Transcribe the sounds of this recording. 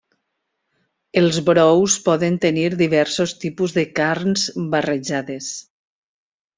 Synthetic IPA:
elˠzβɾɔwspɔðent̪eniɾðiβɛɾsost̪ipuzðəkaɾnzbareʒaðes

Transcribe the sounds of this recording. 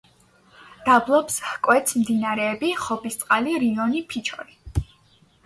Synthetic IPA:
d̪̥ablˠɔpshkʼwɛt̪smd̪inaɾɛːbiχɔbist̪sʼqʼaliɾiɔnipʰit͡ʃʰɔ̰ɾi

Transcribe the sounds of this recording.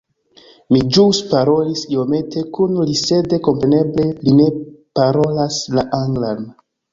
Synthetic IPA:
mid͡ʒuspaɾo̞lisio̞me̞tʰe̞kunlise̞de̞ko̞mpɾe̞ne̞ble̞line̞paɾo̞laslaʔaŋɡlan

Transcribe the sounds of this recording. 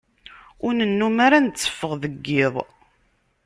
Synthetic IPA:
ʊɾnənːumaɾant͡sːə̥fːəʁðəɡːɪðˤ

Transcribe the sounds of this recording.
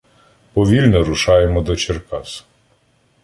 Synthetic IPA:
pɔʋʲilʲnɔɾʊʃɑjemɔd̪ɔt͡ʃerkɑs

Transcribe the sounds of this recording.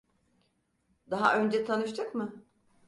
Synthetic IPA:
d̪aɦa̰ʔø̞nd͡ʒɛt̪ʰanɯʃt̪ʰɯkmɯ

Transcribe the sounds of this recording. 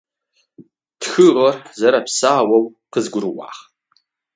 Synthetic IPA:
d̥xɨrarzaɾapʰsaːwawqəzɡʷʊrwa̰χ

